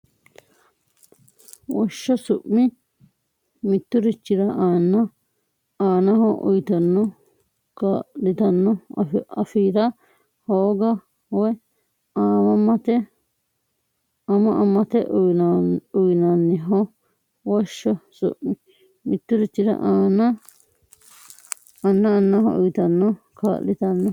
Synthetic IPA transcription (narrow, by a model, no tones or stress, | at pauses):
woʃosuʔmĩ | mĩt̪uɾit͡ʃiɾaʔãnã | ãnãɦõʔṵit̪anõ | kaɾit̪anõafiɾa | hoːɡa | we | ãmãmãt̪e | amãʔamãt̪eʔuauinãnĩɦõ | weʃosṵĩ | mĩt̪uɾit͡ʃiɾa̰ʔanã | anãanãɦõ̰ʔuit̪anõ | ka̰lit̪anõ